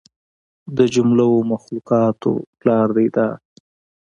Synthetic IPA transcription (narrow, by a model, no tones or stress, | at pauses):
d̪əd͡ʒʊmlawomaxlukɑt̪o̰plɑɾd̪ejd̪ɑ